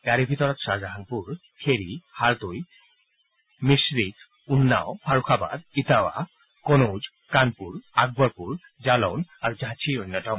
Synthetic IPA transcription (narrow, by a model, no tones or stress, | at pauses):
ɡaɾebʱit̪oɾot̪ʃad͡ʑaɦanpuɾ | kʰeɾihaɾt̪oj | miʃɾit̪ | unːa̰ofʰaɾukʰaba̰d̪it̪awa̰ | konowd͡ʑ | kanpuɾaɡ̚baɾpuɾ | d͡ʑalonaɾd͡ʑat͡ɕʰionːaʈa